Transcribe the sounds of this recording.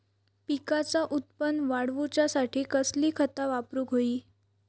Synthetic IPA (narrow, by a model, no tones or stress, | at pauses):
pikat͡saʔut̪̚pənʋaɽʋut͡ɕjasaʈʰiːkəsliːkʰət̪aʋapɾuːɡʱoiː